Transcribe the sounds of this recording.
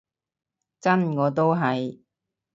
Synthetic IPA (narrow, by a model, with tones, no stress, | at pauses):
t͡sɐ˥nŋɔː˨˧t̪̬o˥wɦɐ˨j